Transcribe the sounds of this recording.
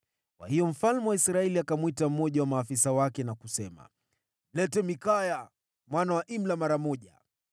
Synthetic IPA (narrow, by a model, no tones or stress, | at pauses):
kwa̰hijɔm̩falmuwaisɾaɛliakamwitam̩mːɔʄawamaːfisawakɛnakusɛma̰ | m̩lɛtɛmikaja | mwanawaʔim̩lamaɾamɔʄa̰